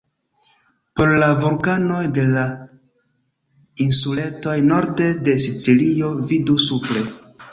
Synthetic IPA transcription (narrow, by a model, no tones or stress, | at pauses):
po̞ɾlavulkano̞jde̞la | insule̞to̞jno̞ɾde̞de̞sit͡silio̞vidusupɾe̞